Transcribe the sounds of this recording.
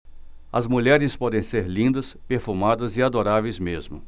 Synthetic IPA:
ɐ̰zmuʎɛɾɪspɔd̪ẽj̃seɾlĩnd̪ɐspeɾfumad̪ɐzɪad̪oɾavejzmezmʊ̰

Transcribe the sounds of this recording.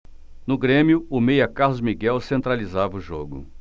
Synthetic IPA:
nʊɡɾẽmjʊʊmejɐkahlʊzmiɡɛwsẽnt̪ɾalizavɐʊʒoɡʊ̰

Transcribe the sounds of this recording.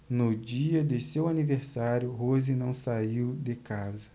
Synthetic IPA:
nʊd͡ʒiɐd̪ɪsewaniveɾsaɾjʊɦozinɐ̃w̃saiwd̪ekazɐ

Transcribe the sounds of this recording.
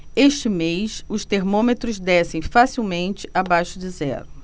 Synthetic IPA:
eʃt͡ʃɪmejsʊʃt̪eɾmõmet̪ɾʊzd̪ɛsẽj̃fasiwmẽnt͡ʃɪʔabajʃʊd͡ʒɪzɛ̰ɾʊ

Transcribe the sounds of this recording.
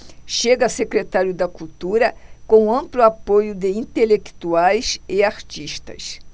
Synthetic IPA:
ʃeɡɐsekɾet̪aɾjʊd̪ɐkult̪uɾɐkõɐ̃mplʊapojʊd̪ɪĩnt̪elekt̪uajsɪaɾt͡ʃiʃt̪ɐ̰s

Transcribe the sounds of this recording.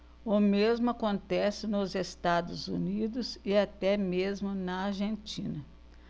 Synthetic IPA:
ʊmezmʊakõnt̪ɛsɪnʊzest̪ad̪ʊzṵnid̪ʊzɪat̪ɛmezmʊnɐaɾʒẽnt͡ʃĩnɐ

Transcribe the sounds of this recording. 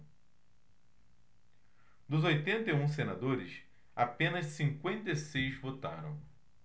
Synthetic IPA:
d̪ʊzojt̪ẽnt̪eũs̬enad̪oɾɪs | apẽnɐssĩŋkwẽnt̪esejzvot̪a̰ɾɐ̰̃w̃

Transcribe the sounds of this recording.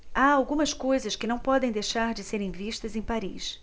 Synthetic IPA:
aawɡũmɐskojzɐskɪnɐ̃w̃pɔd̪ẽj̃d̪ejʃaɾd͡ʒɪseɾẽj̃viʃt̪ɐzẽj̃paɾḭs

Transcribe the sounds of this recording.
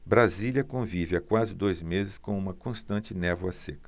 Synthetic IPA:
bɾaziljɐkõvivɪakwazɪd̪ojzmezɪskõũmɐkõst̪ɐ̃nt͡ʃɪnɛvuɐsekɐ̥

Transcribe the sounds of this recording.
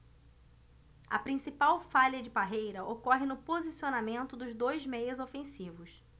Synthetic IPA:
ɐpɾĩsipawfaʎɐd͡ʒɪbaɦejɾɐokɔɦɪnʊpozisionamẽnt̪ʊd̪ʊzd̪ojzmejʊzofẽsivʊs

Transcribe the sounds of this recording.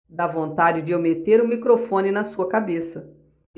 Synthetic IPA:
d̪avõnt̪ad͡ʒɪd͡ʒɪomet̪eɾʊ̃mikɾofõnɪnɐsuɐkabesɐ

